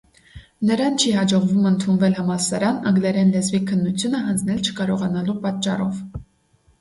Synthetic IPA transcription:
nəɾɑnt͡ʃʰihɑd͡ʒɔʁvumənt̪ʰunvɛlhəmɑsɑɾɑnəŋɡlɛɾɛnlɛzvikʰənːut͡sʰjunəɦənd͡znɛlt͡ʃʰə̥kɑɾɔʁɑnɑlupɑt̪t͡ʃːɑrɔv

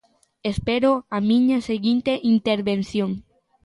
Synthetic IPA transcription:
espeɾoamĩɲɐseɣint̪eʔint̪eɾβenθjoŋ

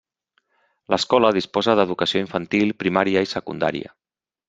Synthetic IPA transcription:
ləskɔləðispɔzəðəðukəsioiɱfənt̪ilˠpɾimaɾiəisəkund̪a̰ɾḭə̰

